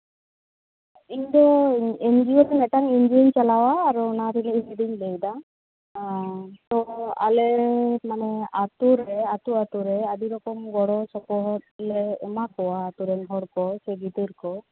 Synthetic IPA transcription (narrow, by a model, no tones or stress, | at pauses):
iɲd̪ɔend͡ʒiɔlɛnɛʈaŋind͡ʒeɲt͡ʃalawaːɾunaɾʰiniːsed̪iɲlejda | t̪ɔa̰lɛmanɛat̪uɾɛat̪uat̪uɾɛad̪iɾɔkɔmɡɔɽɔsɔkɔɦɔt̪̚lɛːmakɔwaːt̪uɾɛnɦɔɽkɔsɛɡit̪ɯɾkɔ